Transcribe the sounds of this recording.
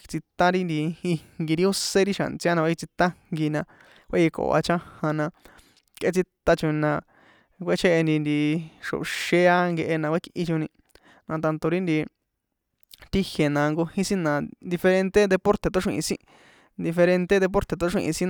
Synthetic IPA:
t͡si˧t̪a˦ɾi˦nd̪i˧i˧ŋɡi˧ɾi˦o˦se˦ɾi˦ʃa̰˨nt͡si˧˦a˦nã˧ki˧t͡si˧t̪a˦ŋɡi˧nã˧ | kʷḛ˦ji˧ko̰˨a̰˧t͡ʃã˦hã˧nã˧ | kʔe˧t͡si˧t̪a˧t͡ʃo˧nã˧ | kʷe˦t͡ʃʰe˦ʔe˧nd̪i˧nd̪i˧ʂo̰˨ʃe˦˧˦a˦ŋɡe˧ʔe˧nã˧kʷe˦kʔi˧t͡ʃõ˧nĩ˧ | nã˧t̪a˧nt̪o˧ɾi˦nd̪i˧ | t̪i˦hje˨nã˧ŋɡo˧hĩ˦sĩ˦nã˨nd̪i˧fe˧ɾe˧nt̪e˦d̪e˧po˦ɾt̪e˧t̪o˧˦ʂʷĩ˧ʔḭ̃˧sĩ˧ | nd̪i˧fe˧ɾe˧nt̪e˦ðe˧p̬o˦ɾt̪e˨t̪o˧˦ʂḭ̃˧ʔḭ̃˧sĩ˦n˧

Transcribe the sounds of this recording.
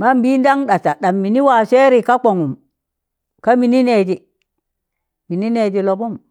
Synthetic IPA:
ma˦mbi˦n˦da˦ŋɗa˨t͡ʃa˨ɗa˨mːi˨ni˦wa˨se˦ɾi˨ka˦k͡po˨ŋu˨m | ka˦mi˨ni˦ne˨d͡ʒi˨ | mi˨ni˦ne˨d͡ʒi˨lo˨bu˦m

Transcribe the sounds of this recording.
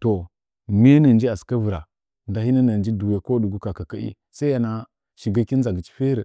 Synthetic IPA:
to˨ | me˦na˨n˦d͡ʒi˦a˨ska˦vu˨ɾa˨ | nda˨hi˦na˦na˨nd͡ʒi˦du˨we˨˦ko˦du˨ɡu˦ka˨ka˨ka˦ḭ˦ | sa˦ja˨na˦ | ʃi˨ɡa˦ki˦n˦za˨ɡi˨t͡ʃi̥˦fe˦ɾə˨

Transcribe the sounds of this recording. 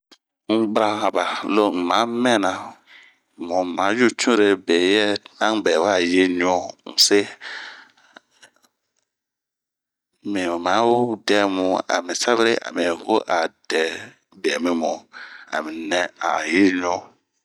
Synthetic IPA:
ŋ̩˦ɡ͡bɾa˦a˨ba˨lo˦˨mã˨˦mɛ̃˦˨nã˨ | mũ˨mã˨˦ju˦t͡ʃũ˦ɾe˨be˨jɛ˦nã˦ŋ˦bɛ˨wa˦˨je˦ɲ˦ɔ̃˦m̩̰˨se˦ | mĩ˨mã˨˦wdɛ˦mũ˨a̰˨mĩ˨sa˦be˦ɾe˦ʔa̰˨mĩ˨ho˦ʔa˨d̥ɛ˨˦ | bɛ˨mĩ˨mũ˨a̰˨mĩ˨nɛ̃˦a̰˨je˦ɲ˦ɔ̃˦

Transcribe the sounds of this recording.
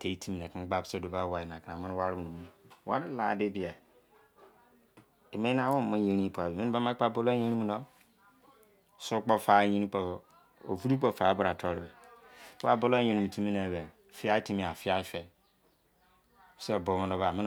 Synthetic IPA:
tʰe˨˦i˦tʰi˦mĩ˨n˨ɛ˨ki˦ɡ͡ba˦pso˦˨do˨ba˦wa˨i˨n˨a˨knã˨mɪ̃˦n˦wa˦ɾɪ˦mu˨nũ˨mũ˦wa̰˦ɾɪ˦la̰˨dɪ˦bi˨a˨ | e˨mẽ˦ã˦wõ˦˨mʊ̃˦je˦ɾĩ˦pa˨bi˨mi˦n˦a˦ma˦k͡pa˦bo˦lo˦e˦ni˦mũ˨nɔ˦ | so˦k͡pɔ˦fa˨˦ɲĩ˦ni˦k͡pɔ˨ | o̰˨vu˦ɾu˦k͡pɔ˨fa˨˦ba˦ɾa˨tʰɔ˦ɾɪ˨bɛ˨˦ | a˦bʊ˦lo˦ẽ˨nĩ˨mu˨tʰu˦mĩ˦na˨bɛ˨ | fi˦a˦ti˦mĩ˨a˨fi˦a˦fɛ˨ | sa˨bo˨mʊ̃˦nɔ˦ba˨mɪ̃˦

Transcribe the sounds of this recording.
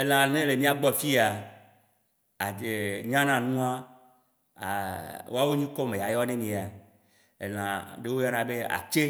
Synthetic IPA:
e˦l̃ã˨nẽ˦le˨mĩ˦a˨ɡ͡bɔ˦fi˦a˨ | a˨e˨ɲã˦nã˨nũ˦a˦ | a˨wo̰˦a˦wo˦ɲĩ˦kɔ˦mẽ˨ja˨jɔ˦nẽ˦mĩ˨a˨ | ḛ˨l̃ã˨ɖe˦wo˦ja˦nã˨be˦a̰˨t͡ʃe˦

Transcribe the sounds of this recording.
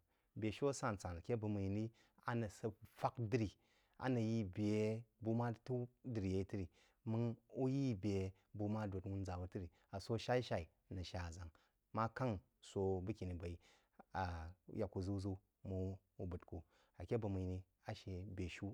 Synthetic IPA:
bʲe˨ʃu˦a˦sa˦n˨t͡sa˨na˨kʲe˦bɨ˧mu˧ji˨ni˦ | a̰˦nɐ˨sɐ˧fa˦kdɨ˨ɾi˨ | a̰˨nɐ˨ji˦bʲe˨bu˦ma˦tu˦dɨ˨ɾi˨je˨i˦tɨ˦ɾi˨ | mɨ˦ŋu˦ji˦bʲe˨ | bu˧ma˦do˨twu˦n˦d͡za˨bu˨tɨ˦ɾi˨ | a˨so˧˦ʃa˦i˦ʃa˦i˨nɐ˨ʃa˨a˨za˨ŋ | ma˦ka˦ŋ | so˧bɨ˦kʲi˨ni˨ba˨i˨ | a˨˦ja˨kːu˧zu˦d͡zu˦ | mu˧ | u˨˦bu˨tku˨ | a˨kʲe˦bu˧mu˨ji˨ni˧ | a˨ʃe˧bʲe˨ʃu˦

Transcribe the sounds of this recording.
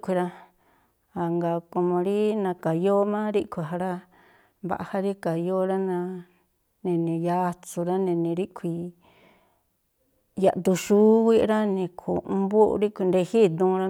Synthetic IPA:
kʷi˧ɾa˧ | a˨ŋɡa˨ko˧mõ˧ɾi˦nã˧ka˨jo˦mã˦ɾi˦kʷʰi˧˨ɦa˧ɾa˦ | mβa̰˨ʔa˧ha˦ɾi˦ka˨jo˦ɾa˦nã˧ | nẽ˨nĩ˨ja˧t͡su˧ɾa˦nẽ˧nĩ˧ɾi˦kʰʷi˧ | ja˨d̪u˧ʃuː˦wʷi˦ʔɾa˦nĩ˧kʰu˨ũ˧mbṵ˦˧ɾi˦kʷi˧nd̪e˧hi˦d̪ũː˧ɾa˧

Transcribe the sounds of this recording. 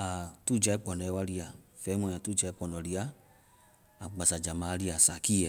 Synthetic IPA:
a˨tu˦˨d͡ʒa˨˧ɛ˦k͡pɔ˨nɔ˨˦wa˧ɾi˦˧a˨ | fɛ˨˦mɔ̃˧˦˨a˨tu˦d͡ʒa˧˦i˦k͡pɔ˨nɔ˨ɾi˧a˦ | a˨ɡ͡ba˨sa˨d͡ʒa˨ma˨˦ɾi˦a˨sa˨ki˦ɛ˨

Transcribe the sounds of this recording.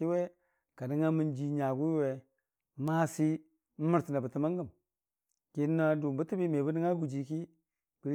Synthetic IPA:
i˦we˦ | ka˨ni˦ŋa˦mi˦nd͡ʒi˨ɲa˨ɡu˦we˨ | ma˦si˦ | m̩˦mi˦ɾti˨na˨bə˨ti˨ma˦ŋɡə˦˨m | ki˦n˦na˦du˨m˨bə˦ti˦bi˦me˨bə˦ni˦ŋa˦ɡu˨d͡ʒi˨ki˦ | bi˨ɾ

